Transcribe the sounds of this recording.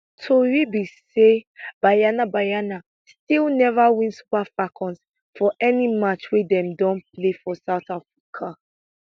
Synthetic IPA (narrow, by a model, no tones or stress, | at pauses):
tʰoɹibiseb̥ajanabajana | stilˠnɛvawĩnsu̥pafakʰɔ̃ns | fɔʔɛnimat͡ʃwidɛ̃mdɔ̃nplefɔsaʊθafɹikʰa